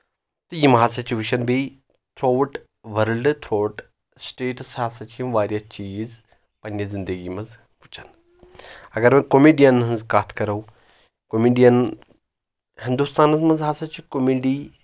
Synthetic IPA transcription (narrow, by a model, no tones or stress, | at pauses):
t̪ɨjimɦaːsɐt͡ʃiʋuʃɐnbei | t̪ʰɾoːʈ | ʋɐɾlɖɨt̪ʰɾoːʈ | sʈeːʈsjaːsɐt͡ʃimʋaːɾjat͡ʃiːz | pɐnːjɐzind̪əɡiːmɐz | ʋut͡ʃɐn | ɐɡɐɾmɐkomiːɖijɐnɐnzkaːt̪ʰkɐɾɐw | komiɖijɐn | hind̪ust̪aːnɐzmɐzɦaːsɐt͡ʃikomiɖiː